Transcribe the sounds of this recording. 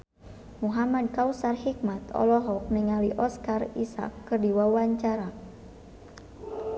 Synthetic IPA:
muɦamad̚kausarhik̚mat̪ɔ̰lɔɦɔk̚niŋaliʔɔskarisa̰kːɨrdiwawaɲt͡ʃaɾa

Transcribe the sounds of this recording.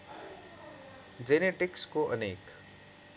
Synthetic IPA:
d͡zeneʈikskoʔʌnek

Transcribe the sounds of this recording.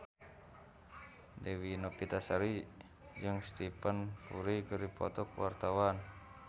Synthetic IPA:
dewinopit̪asaɾi | d͡ʒɨŋst̪ipənfuɾikərdipɔ̰t̪ɔkuwart̪awan

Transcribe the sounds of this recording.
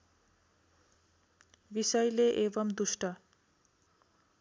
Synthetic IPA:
bisʌjleʔebʌmd̪usʈʌ

